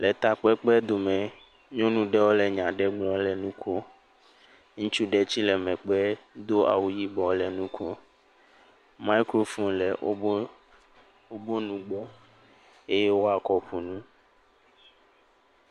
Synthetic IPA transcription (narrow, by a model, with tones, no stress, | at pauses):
lɛ˨t̪a˨k͡pɛ˦k͡pɛ˦d̪o˨mɛ̃˨ | ɲõ˦nũ˦ɖɛ˦wo˦lɛ˨ɲã˨ɖɛ˦ɡ͡blɔ̃˨lɛ˨nũ˦kʰo˦ | ŋũ˦t͡ʃu˦ɖɛ˨t͡ɕi˦lɛ˨mɛ̃˨k͡pɛ˦d̪o˦a̰˨wu˨ji˦bɔ˨lɛ˨nũ˦kʰo˦ | ma˦i˦kɾo˦fũ˦lɛ˨˦ | wo˦bo˦nũ˨ɡ͡bɔ˦ | e˦jɛ˦wo˦a˨kɔ˦ɸu˨nũ˦